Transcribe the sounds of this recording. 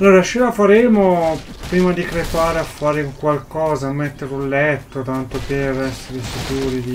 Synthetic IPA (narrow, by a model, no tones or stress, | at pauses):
alːoːɾaaʃelafaɾɛːmo | pɾiːmad̪ikɾepaːɾeafːaːɾeukwalkɔːzamːet̪ːeɾulːɛt̪ːot̪ant̪operɛsːeɾefuk̪uːɾid̪i